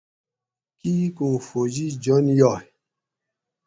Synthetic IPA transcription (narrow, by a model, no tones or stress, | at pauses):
kikufod͡ʒid͡ʒɔnjɔ